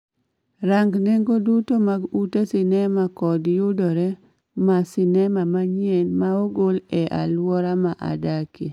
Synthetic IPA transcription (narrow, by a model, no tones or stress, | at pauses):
ɾaŋɡneŋɡodutomaɡutesɪnɛmakɔdjʊdɔɾɛ | masɪnɛmamaɲɛnmaoɡolɛʔa̰lwɔɾamaʔa̰daki